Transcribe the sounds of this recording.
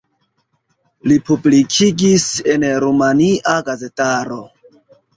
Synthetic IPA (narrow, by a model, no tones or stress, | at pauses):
lipublikʰiɡise̞nɾumaniʔaɡaze̞taɾo̞